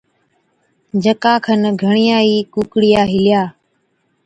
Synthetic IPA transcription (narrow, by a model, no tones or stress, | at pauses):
d͡ʒəkaːkʰənɡʱəɳ̃ɪjaːiːkuːkɽɪjaːɦɪlɪjaː